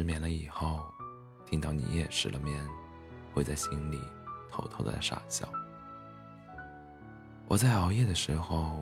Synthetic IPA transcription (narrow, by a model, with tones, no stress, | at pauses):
ɻ̩˥mjɛ˧˩nlə˦i˨˩xo˥˩ʊ | t̪ʰi˥ŋt̪ɑ˥˩ʊnḭ˨˩jɛ˥˧ʂɻ̩˨˩lʔə˧mjɛ˥˩n | xwe˥˧ɪt͡sa˥˩ɪɕi˥nlḭ˨˩˦t̪ʰo˧˥ʊt̪ʰo˥ʊd̪ə̰˧˩ʂa̰˥˩ɕjɑ̰˥˩ʊ | wʔɔ̰˨˩t͡sa˥˩ɪɑ˧˥ʊjɛ˥˩d̪ə˩ʂɻ̩˧˥xo˧ʊ